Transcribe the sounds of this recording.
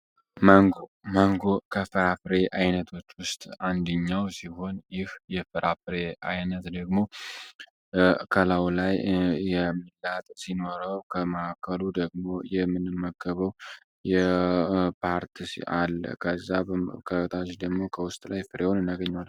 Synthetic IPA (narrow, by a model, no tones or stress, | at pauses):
məŋɡoməŋɡo̞kʰəfɨɾafɨɾe̞ʔajnət̪ʰo̞t͡ʃːwʊst̪ʼand̪əɲːawsiho̞njɪhjɛfɨɾʔafɨɾe̞ajnət̪d̪əɡmo̞ | kʰəlawlajjɛmːilːat̪ʼsino̞ɾəwkʰəməʔakʰəlud̪əɡmo̞jɛmːɨnɨmːəkːəβəw | jɛ | pʰaɾt̪ʰisalːkʰəzːakʰət̪ʰad͡ʒid̪əɡmo̞kʰəwʊst̪ʼlajfɨɾewonɨnːaɡəɲːawal